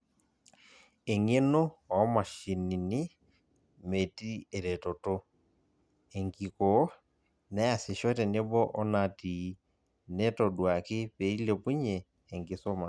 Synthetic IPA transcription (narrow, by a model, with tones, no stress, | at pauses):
e˨ŋe˦no˦ɔ˨˦ma˨ʃi˨ni˨nɪ˦ | me˨ti˦e˨ɾɛ˨tɔ˨to˦ | ɛ˨ŋki˨kɔ˨˦ | nɛ˦a˨sɪ˨ʃɔ˦tɛ˨ne˦bɔ˦ʔɔ˦na˨ti˨ | nɛ˦tɔ˨dwa˨kɪ˦pe˨i˦le˨pu˦ɲɛː˨ | ŋɡɪ˨˦sɔ˦ma˨